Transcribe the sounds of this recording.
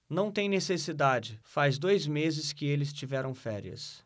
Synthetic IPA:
nɐ̃w̃t̪ẽj̃nesesid̪ad͡ʒɪfazd̪ojzmezɪskɪelɪst͡ʃivɛɾɐ̃w̃fɛɾiɐ̰s

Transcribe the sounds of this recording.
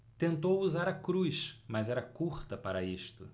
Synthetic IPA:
t̪ẽnt̪owuzaɾɐkɾuʃmɐzɛɾɐkuɾt̪ɐpaɾɐist̪ʊ

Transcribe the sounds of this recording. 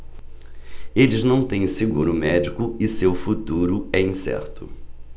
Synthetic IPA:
elɪznɐ̃w̃t̪ẽj̃sɪɡuɾʊmɛd͡ʒikʊɪsewfut̪uɾʊɛĩsɛ̰ɾt̪ʊ̰

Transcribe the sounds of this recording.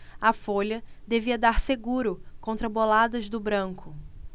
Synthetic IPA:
ɐfoʎɐd̪eviɐd̪aɾseɡuɾʊkõnt̪ɾɐbolad̪ɐzd̪ʊbɾɐ̃ŋkʰʊ

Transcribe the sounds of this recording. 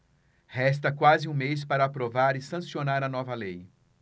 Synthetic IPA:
hɛst̪ɐkwazɪũmes̬paɾɐaːpɾovaɾɪsɐ̃sionaɾɐnɔvɐlej

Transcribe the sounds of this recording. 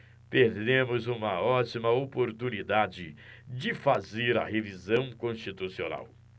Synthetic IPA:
peɾd̪ẽmʊzũmɐɔt͡ʃimɐopoɾt̪unid̪ad͡ʒɪd͡ʒɪfazeɾɐ̰hevizɐ̃w̃kõst͡ʃit̪usiona̰w

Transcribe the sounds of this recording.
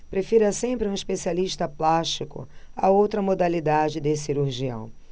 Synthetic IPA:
pɾefiɾɐsẽmpɾɪũiʃpesialiʃt̪ɐplaʃt͡ʃikʊ̰a̰owt̪ɾɐmod̪alid̪ad͡ʒɪd̪esiɾuɾʒiɐ̰̃w̃

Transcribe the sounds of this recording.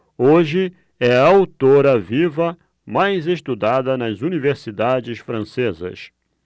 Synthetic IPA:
oʒɪ | ɛɐawt̪oɾɐvivɐ | majzest̪ud̪ad̪ɐnɐzuniveɾsid̪ad͡ʒɪsfɾɐ̃sezɐ̰s

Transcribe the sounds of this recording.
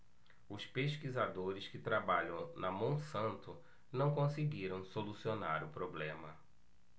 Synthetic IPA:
ʊspeʃkizad̪oɾɪskɪt̪ɾabaʎɐ̃w̃nɐmõw̃sɐ̃nt̪ʊ | nɐ̃w̃kõsɪɡiɾɐ̃w̃solusionaɾʊpɾoblẽmɐ

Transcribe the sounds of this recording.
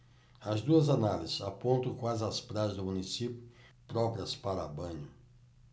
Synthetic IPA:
ɐzd̪uɐzanalizɪsapõnt̪ɐ̃kwazɪɐspɾazɪzd̪ʊmunisipjʊ | pɾɔpɾiɐspaɾɐbɐ̃ɲʊ

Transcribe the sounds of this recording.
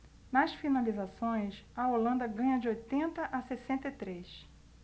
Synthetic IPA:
nɐsfinalizasõj̃sɐolɐ̃nd̪ɐɡɐ̃ɲɐd͡ʒɪojt̪ẽnt̪ɐʔɐsesẽnt̪et̪ɾes

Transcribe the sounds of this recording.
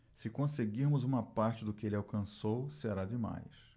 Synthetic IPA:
sɪkõseɡiɾmʊzũmɐpaɾt͡ʃɪd̪ʊkɪelɪawkɐ̃sowseɾad͡ʒɪma̰js

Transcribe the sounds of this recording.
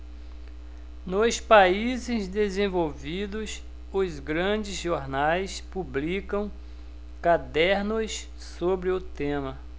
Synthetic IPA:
nʊspaizɪzd̪ezẽvowvid̪ʊs | ʊzɡɾɐ̃d͡ʒɪzʒoɾnajspublikɐ̃w̃ | kad̪ɛɾnʊs | sobɾɪʊt̪ẽmɐ

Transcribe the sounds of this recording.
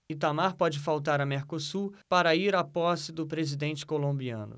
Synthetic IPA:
ɪt̪amaɾpɔd͡ʒɪfawt̪aɾɐmeɾkosupaɾɐiɾapɔsɪd̪ʊpɾezid̪ẽnt͡ʃɪ̥kolõbiɐ̰̃nʊ̰

